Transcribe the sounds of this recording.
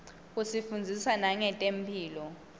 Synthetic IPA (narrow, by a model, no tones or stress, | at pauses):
kusifund͡zʱisanaŋɛtʼempʰiːlɔ